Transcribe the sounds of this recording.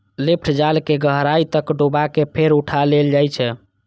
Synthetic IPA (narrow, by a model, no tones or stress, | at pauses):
lepʰʈʰd͡ʒalkeɡəɦɾait̪əkɖobakepʰeɾuʈʰaleld͡ʒajt͡ʃʰɛ